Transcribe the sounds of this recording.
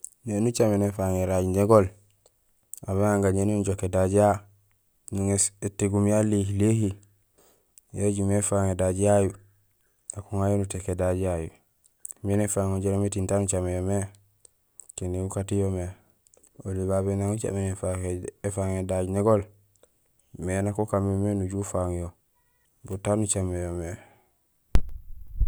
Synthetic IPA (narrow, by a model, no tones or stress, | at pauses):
nenut͡ʃamenefaŋeɾaɟɲeɡol | aβeŋaŋɡaɲenunuɟokedaɟija | niŋeseteɡumjalihilehi | jeɟumefaŋedaɟijaju | akuŋajunutekedaɟijajṵ | minɛfaŋɔd͡ʒɛɾamitintanut͡ʃamɛjɔmɛ | kɛniukatijɔmɛ | oliβabɛnaŋut͡ʃa̰mɛnɛfaɛfaŋɛdad͡ʒinɛɡɔl | mɛnakɔkamɛmɛnud͡ʒufaŋjɔ | butanut͡ʃamɛjɔmɛ